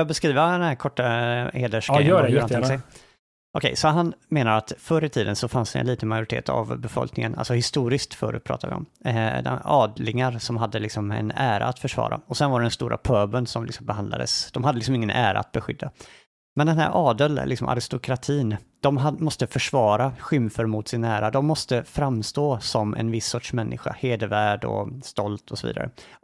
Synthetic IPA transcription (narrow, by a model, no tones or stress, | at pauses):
ɑːɡbɛskɾiːvəd̪ɛnhæːɾkʰɔʈːaheːd̪əʂɛːɾanʰsɛ | ʔɔkʰɛjsɔɦanmeːnaɾat̪fœɾət̪ʰiːd̪ənsɔfansd̪ɛ̰nliːt̪ənmajʊɾɪt̪ḛːt̪ʰa̰vbɛfɔ̰lknɪŋənʔa̰lsɔhɪst̪uːɾɪskt̪fœ̰ːɾʉ̰t̪̚pʰɾɑ̰ːt̪ʰa̰vɪ̰ɔ̰md̪ɛ̰ɑːd̪lɪŋaɾsɔmɦad̪ːəlɪksɔmɛ̰næːɾa̰ːt̪fœʂvɑ̰ːɾa̰ɔsɛnvaɾɛɖɛnst̪uːɾʔa̰pʰœːbənsɔmlɪksɔmbɛɦand̪a̰d̪ə̰sd̪̥ɔmhad̪əlɪks̬ɔmɪŋːənʔæːɾa̰a̰t̪̚bɛɧʏd̪ːa | mɛnd̪ɛnɦæ̰ːɾʔɑːd̪əllɪksɔmʔa̰ɾɪst̪ʊkʰɾat̪ʰiːnd̪̥ɔmɦamɔst̪əfœʂvɑːɾaɧʏmfəɾmʊt̪sɪnæːɾad̪ɔmːɔst̪əfɾamst̪oːsɔmɛ̰nvɪsːɔʈʂmɛnːɪɧa̰heːd̪əvæːɖɔ̰st̪ɔlt̪ʰɔsɔvḭːd̪a̰ɾə̰